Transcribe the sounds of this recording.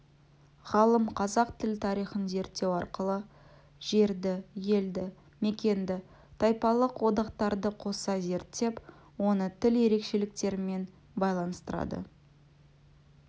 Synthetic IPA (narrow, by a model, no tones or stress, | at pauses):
ʁɑlˠəmqʰɑzɑqt̪ʰɪlt̪ʰɑɾijχənze̞ɾt̪ːe̞wɑɾqəlˠə | ʒ̥e̞ɾd̪ɪje̞ld̪ɪ | me̞kʲe̞nd̪ɪ | t̪ʰɑjpɑlˠəqwo̞d̪ɑqt̪ɑɾd̪əqʰo̞sɑze̞ɾt̪ːe̞p | wo̞nət̪ʰɪlje̞ɾe̞kʃe̞lɪk̚t̪e̞ɾɪme̞n | bɑjlˠɑnəst̪əɾɑ̰d̪ə̰